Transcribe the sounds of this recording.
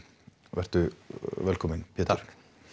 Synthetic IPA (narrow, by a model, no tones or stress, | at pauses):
vɛr̥t̪ʏvɛlkʰɔːmɪnpʰɛːt̪aɾ̥k